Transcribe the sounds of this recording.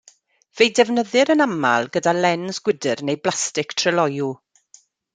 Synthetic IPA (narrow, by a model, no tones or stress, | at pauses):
v̥ejdɛvnəðɨɾənama̰lˠɡədalɛnzɡwɪdɨrnejblˠastɪktʰr̥əlɔju